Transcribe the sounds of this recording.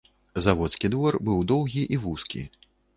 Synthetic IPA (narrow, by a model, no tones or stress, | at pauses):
zavɔt̪skʲid̪vɔrbɨwd̪ɔwɣʲiʔivuskʲḭ